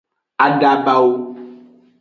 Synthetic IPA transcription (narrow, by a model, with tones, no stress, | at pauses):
a˨ɖa˦ba˦wo˦